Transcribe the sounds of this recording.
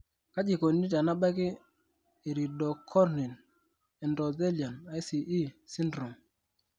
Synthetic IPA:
ka˦d͡ʒi˨ko˨ni˦ta˨na˦ɓa˦kɪ˦ | e˨ɾi˨dɔ˨kʰɔ˦ɾni˨n | ɛ˨ndɔ˨de˦lja˨na˦i˦si˨ʔi˦si˦ndɾu˨ŋ

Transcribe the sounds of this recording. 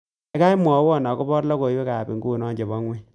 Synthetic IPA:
e˦ka˦jmwɔ˨˦wɔ˦˨na˨ko˦bɔ˦ɾla˦ko˨jwe˦ka˨bi˨ŋɡu˦˨nɔ˦ɲd͡ʒe˨bɔ˦ŋwi˦

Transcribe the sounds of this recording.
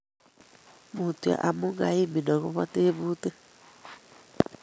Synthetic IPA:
muː˨tu˨a̰˨ʔa˨mu˦ŋɡa˨˦i˦mi˨nɔ˨ɣu˦βa˦teː˦βuː˦te˦

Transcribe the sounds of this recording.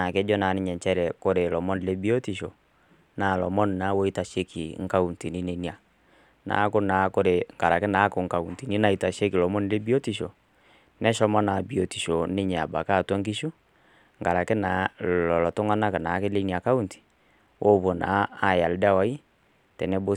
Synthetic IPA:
na˨kɛ˦d͡ʒɔ˦na˨˦nɪ˦ɲɛ˨ɲt͡ʃɛ˦ɾɛ˨ko˦ɾe˨lɔ˨mɔ˦n˨le˦bi˦o˦ti˨ʃo˨ | na˨lɔ˨mɔ˦n˨na˨˦wo˦i˦ta˨ʃe˦kʰi˨ŋ̩˦ka˦u˨nti˨ni˦ne˨˦ni˨a˨ | na̰ː˨˦kʊ˦na˨˦ko˦ɾe˨ŋka˨ɾa˨kɪ˦na˨˦kʊ˨ŋ̩˦ka˨u˨nti˨ni˦na˦i˨ta˨ʃe˦ki˨lɔ˨mɔ˦nle˦bi˦o˦ti˨ʃo˨ | nɛ˦ʃɔ˦mɔ˦na˨bi˨o˨ti˨ʃo˨nɪ˦ɲ˨a˨ba̰˨ka˦˨twa˦ŋki˦ʃu˦ | ŋka˨ɾa˨kɪ˦na˨˦lɔ˨lɔ˨tʊ˦ŋa˦na˦ka˨na˨˦kɪ˦le˦ni˨a˨ka˦u˦nti̥˨ | wʔo˦˨βo˨na̰˨˦a˨ja˨lda˦wa˨˦i˦ | tɛ˨nɛ˦bo˦

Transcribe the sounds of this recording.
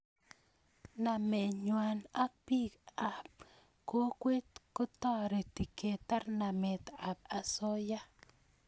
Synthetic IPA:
na˨me˨ɲwa˨na˦k̚pi˦ka˨p̚ | ko˦kwe˦t̪ko˦t̪ɔ˦ɾe˨t̪i˨ke˨t̪a˦ɾna˨me˨t̪a˨p̚a˨so˦ja˦

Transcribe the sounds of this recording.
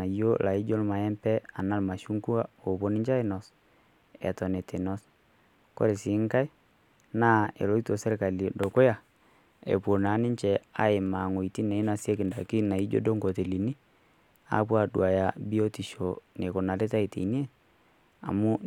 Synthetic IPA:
a˨jo˦la˨i˦d͡ʒo˦lma˨ɛ˦mpɛ˦a˨na˦lma˨ʃu˦ŋku˦a˦o˨bo˦nɪ˦ɲd͡ʒa˦ɪ˦nɔ˨s | ɛ̰˨tɔ˨ne˨te˨nɔ˦s | ko̰˦ɾe˨si˨˦ŋka˦j | na˦ḛ˨lo˦i˦to˨sɛ˦ɾka˨li˨do˨ko˦ja˨ | ḛ˨po˨na˨˦nɪ˦t͡ʃɛ˨a̰˨˦e˨ma˨ŋo˨i˨ti˦ne˨˦na˨si˦e˦kɪ˨nda˨ki˦na˨i˦d͡ʒo̰˦do˦ŋɡo˨te˨li˨ni˦ | a̰˦pwa˨dw̰a˨ja˨bi˦o˦ti˨ʃo˨ne˨ko˨na˨le˦ta˦i˨te˨ni˦e˦ | a̰˨mu˦

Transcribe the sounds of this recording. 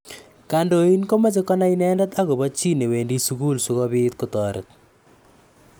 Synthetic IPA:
ka˨ndo˦i˦nko˦ma˦t͡ʃɪ˦kɔ˦na˦i˦nɛː˦ndɛ˦t̪a˦ɣo˨bɔ˦t͡ʃi˦ne˨weː˨ndi˦su˦ku˦lsʊ˨ɣɔ˦bɪ˦t̪̚kʊ˦tɔː˨ɾɪ̰˨t̚

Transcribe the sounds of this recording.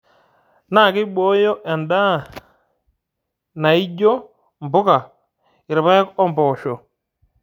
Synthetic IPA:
na˦˨kɪ˦ɓɔ˦jɔ˦ʔɛ˨nda˦˨ | na˨i˦d͡ʒo˦ | mbʊ˦ka˨ | ɪ˨ɾɪ˨βa˦kɔ˦mbɔː˨ʃɔ˨

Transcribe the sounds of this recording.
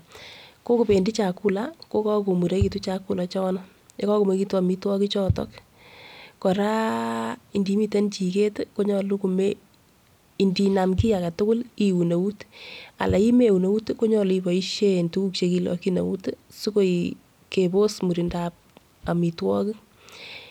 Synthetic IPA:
ko˦ku˨pe˨ndi˦t͡ʃa˨ku˦la˦ko˦kɔ˦ko˨mu˨ɾe˦ki˨tu˦t͡ʃa˨ku˦la˨t͡ʃɔ˦nɔ˦ | jɔ˦kɔ˦ku˨me˨ki˦twa˨mi˦twɔ˦ki˦t͡ʃɔ˦tɔ̰˦k | kɔ˨ɾa˦ | i˨ndi˨mi˦te˦nt͡ʃi˨ke˦tko˦ɲɔ˨lu˦ku˨me | i˨ndi˨na˨mki˦ja˨ka˨tʊ˦kʊ˦li˨u˨na˨u˦ta̰˨lʔa˨i˦me˦u˨no˨u˦tko˦ɲɔ˦libɔ˨i˦ʃe˦ntu˦ku˦k̚t͡ʃe˧ki˨lɔ̰ki˦na̰˨wṵ˦tsu˦ko˦ji | ke˨bo˦smu˨ɾi˨ndap̚ | a˨mi˨twɔ˦ki˦

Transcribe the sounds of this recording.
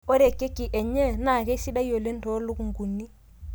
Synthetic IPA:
o˦ɾe˨kːe˦kːi˨ʔɛ˨ɲɛ˦na˦˨kɛ˦si˦da˦jo˨le˦n̩˦to˦lu˦ku˨ŋ˦ɡu˨nːi˦

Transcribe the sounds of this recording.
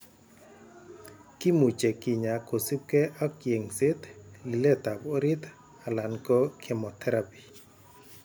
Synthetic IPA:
kɪ˦mu˨t͡ʃɛ˨kɪ˨ɲa˨ko˨si˦p̚kɛ˦ʔa˦kje˨ŋsɪ˦t̪lɪ˨lɛ˦t̪a˨bo˦ɾɪ˦t̪ | a˨la˨nkɔ˦kʰɛ˨mɔ˨t̪ʰɛ˦ɾapi̥˨

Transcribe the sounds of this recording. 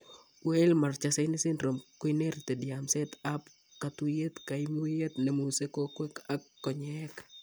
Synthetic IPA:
we˦lma˨rt͡ʃasɛ˦nɪ˦sɪ˦nɾo˨mko˦ine˦ɾt̪ɛ˨dɪamsɛ˦t̪a˦p | ka˨t̪u˦je˦t̪ka˨imu˦je˦t̪nɛ˨mu˨se˦ko˦kwɛ˦ka˦kːɔ˨ɲɛk

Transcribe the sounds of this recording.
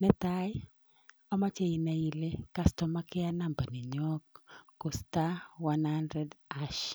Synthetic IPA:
nɛ˦t̪a˦j | ɔ˦ma˦t͡ʃe˦i˨na˨i˨le˦ka˦stɔ˨ma˦kɪ˦a˦na˨mba˨nɪ˨ɲɔ˦kːo˨sta˦wa˦nha˦ndɾɛda˦ʃ

